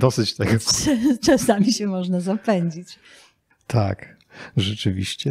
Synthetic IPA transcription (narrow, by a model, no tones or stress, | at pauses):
d̪ɔsɘt͡ɕt̪ɛɡɔt͡ʂasamʲiɕɛmɔʐnazapɛɲd͡ʑit͡ɕ | t̪ʰa̰k | ʐɛt͡ʂɘvʲḭɕt͡ɕɛ